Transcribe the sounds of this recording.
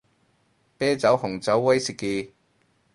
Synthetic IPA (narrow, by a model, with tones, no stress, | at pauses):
pɛː˥t͡sɐ˨˥whʊ˨˩ŋt͡sɐ˨˥wːɐ˥jsi˨kːi˧